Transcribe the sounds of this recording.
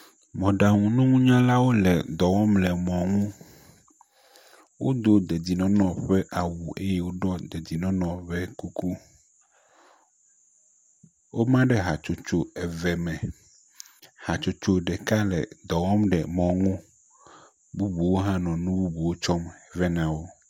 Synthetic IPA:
mɔ̃˨ɖa˨ŋũ˨nũ˦ŋũ˦ɲã˦la˦wo˦lɛ˨d̪ɔ˨wɔ̃˦mlɛ˨mɔ̃˨ŋũ˦ | wo˦d̪o˦d̪e˨d͡ʑi˨nɔ̃˨nɔ̃˨ɸɛ˦ʔa˨wu˨ʔe˦je˦wo˦ɖɔ˦d̪e˨d͡ʑi˨nɔ̃˦nɔ̃˨βɛ˦ku˦ku˦ | wo˦mã˦ɖɛ˦ɦa˨t͡ʃo˦t͡ʃo˦ɛ˨vɛ˨mɛ̃˨ | ha˨t͡ʃo˦t͡ʃo˦ɖɛ˨ka˦lɛ̰˨d̪ɔ˨wɔ̃˦mɖɛ˨mɔ̃˨ŋũ˦ | bu˦bu˨wo˦ɦã˦nɔ̃˨nũ˦bu˦bu˨wo˦t͡ʃɔ˦m˨vɛ˦nã˨wo˦

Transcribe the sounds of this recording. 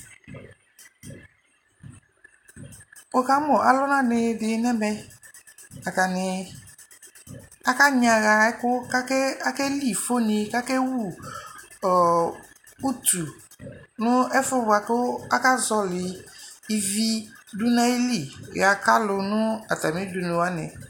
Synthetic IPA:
o˦ka˦mʊ˨ʔa˨lʊ˦nã˦nɪ˨˦dɪ˨˦nɛ˦mɛ˦ | a˨ka˨nɪ˨ | a˦ka˦ɲã˨ɣa˨ɛ˦kʊ˦ka˦kɛ˦a˦kɛ˦li˦˨fo˦ni˧ka˦kɛ˦wu˦˨ | ɔ˨ | u˦tu˨ | nʊ˦ɛ˦fʊ˦ba˨kʊ˦a˦ka˦zɔ˦lɪ˨i˨vi˦dʊ˦na˦i˦li˦˨a˨ka˦lʊ˧nʊ˦a˨ta˨mĩ˦dʊ˨nɪ˨wa˦nɪ˨

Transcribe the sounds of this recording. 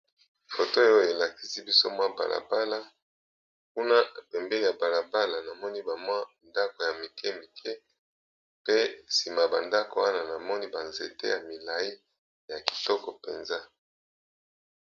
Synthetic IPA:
fo˨to˦e˦o˦e˨la˨ki̥˦si˦bi˦so˦mwa˦ba̰˨la̰˨ba˦la˦ | ku˦na˦˨pɛ˨mbɛ˦ni˨ja˨ba˨la˨ba˦la˨na˨mɔ˦ni˦ba˨mwa˦nda˦ko˨ja˨mi˨kɛ˦mi˨kʰɛ˦ | pe˦si˨ma˨ba˨nda˦ko˨wa˦na˨na˨mɔ˦ni˦ba˨nze˨tḛ˦ja˨mi˨la˨i˦ | ja˨ki̥˨tɔ˦kɔ˨pe˨nza˦

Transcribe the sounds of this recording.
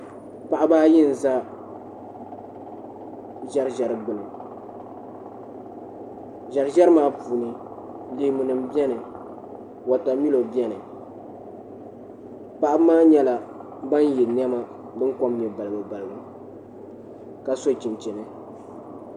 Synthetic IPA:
pa˨ʔa˦baː˦jɪ˦n̩˨za˦ | ʒa˦ɾʒa˨ɾɨ˨ɡ͡bɨ˨lɨ˨ | ʒa˨ɾɨ˦ʒa˦ɾɨ˦maː˦buː˨nɨ˨ | le˨˦mu˨nɨ˨m˦bɛ˦nɨ˨ | wa˨ta˨mi˦lo˨bi˦ɛ˦nɨ˨ | pa˨ʔa˦bmaː˦ɲɛ˦la˨ | ba˦njɛ˨n˦ɛ˦ma˦ | bɨ˦ŋko˦mnɛ˨ba˨lɨ˨bɨ˨ba˨lɨ˨bɨ˨ | ka˨so˦˨t͡ʃi˨nt͡ʃɛ˨nɨ˦

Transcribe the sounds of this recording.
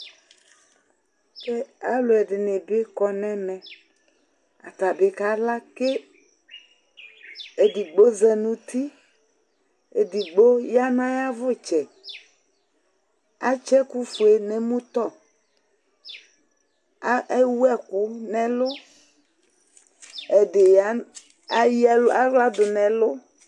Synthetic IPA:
ke˦a˦lʊ˨ɛ˨ɖɪ˨nẽ˨be˦kɔ˨nɛ̃˦mɛ̃˨ | a̰˨t̪a˨be˨ka˦la˦ke˦ | e˨di˨ɡ͡bo˦zɛ˨nũ˨t̪i˦ | e˨di˨ɡ͡bo˦ja˦nã˦ja˦vʊ˦˨t͡ʃɛ˨ | a˨˦t͡ʃɛ˦ku˦fu˨e˨nẽ˨mũ˦t̪ɔ˦ | e˦wu˦ɛ˦ku˦nɛ̃˨lʊ˦ | e˨de˨ja˦ | a˦jla˦va˦d̪ʊ˨nɛ̃˨lʊ˦

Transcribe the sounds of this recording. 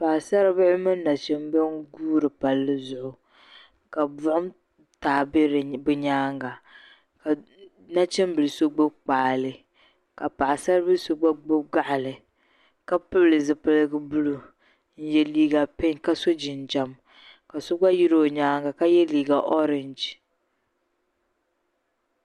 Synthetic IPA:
pa˨a˨sa˦ɾɨ˦bɨ˦ʔɪ˦mɨ˦nː˦a˨t͡ʃɛ˦mbɨ˦nɡuː˦ɾɨ˨pa˨lːɨ˦zʊ˦ʔʊ˨ | ka˨bʊ˦ʔʊ˦m | taː˨bɾbɨ˦ɲaː˦ŋɡa˨ | ka˨ | na˦t͡ʃɛ˦m˦bɨ˨lso˦ɡ͡bo˦k͡paː˨lɨ˨ | ka˨pa˨ʔa˨sa˦ɾbɨ˦lso˦ɡ͡ba˦ɡ͡bo˦ɡa˦ʔa˨lɨ˨ | ka˦pɨ˦blɨ˨zɨ˨pɨ˦lɨ˦ɡɨ˦bu˦lu˨ | n̩˦jɛ˦liː˦ɡa˨pɪ˦ɲka˦so˦d͡ʒɪ˨n˨d͡ʒa˨m | ka˨so˦ɡ͡ba˦ji˦ɾoː˦˨ɲaː˦ŋɡa˨ka˦jɛ˦liː˨ɡa˨ʔɔ˦ɾɪ˨nd͡ʒ

